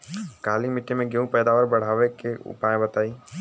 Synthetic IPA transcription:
kaːlimɪʈːemẽɡeũpɛːd̪aːʋəɾbɐɽ̤aːʋekeʊ̰paːẽbɐt̪aːiː

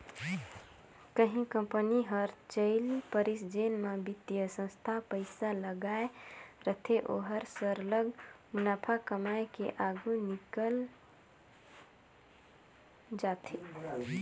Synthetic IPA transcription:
kəɦĩkəmpəniɦəɾt͡ʃəɪlpəɾisd͡ʒenmabit̪ːijəsə̃st̪ʰapəɪsaləɡaeɾət̪ʰeʔo̰ɦəɾsəɾləɡmunapʰakəmaekeʔaɡunikəl | d͡ʒat̪ʰi

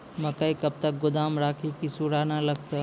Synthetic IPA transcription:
mɐkəikɐb̚t̪ɐk̚ɡʊd̪aːmɾaːkʰikisuɽaːnalɐɡt̪a

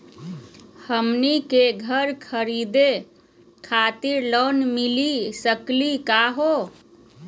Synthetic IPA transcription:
həmnikeɡʱəɾkʰəɾid̪e | kʰat̪iɾlonmilisəklikaɦo

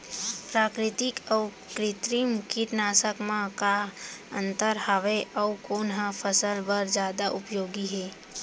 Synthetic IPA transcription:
pɾaːkɾɪt̪ɪkɔː | kɾɪt̪ɾimkiʈnaːsəkmãkaə̃nt̪əɾɦaʋeʔəukoːnɦãfʰəsəlbəɾd͡ʒjaːd̪aʔʊpjoːɡiɦɛː

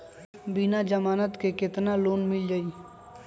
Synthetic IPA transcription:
binad͡ʒəmaːnət̪kekɪt̪naloːnmɪld͡ʒai

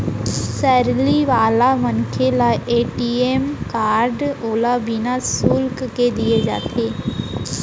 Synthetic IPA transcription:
sɛːɾliːʋaːlaːmənkʰelaːʔeːʈiːeːmkaːɾɖoːlaːbinaːsʊlkked̪ɪeːd͡ʒa̰ːt̪ʰeː

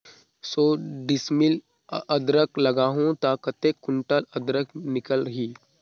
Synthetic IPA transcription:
soːɖɪsmɪl | əd̪ɾəklɐɡaːɦõt̪aːkət̪ekːʊɳʈələd̪ɾəknɪkələɦiː

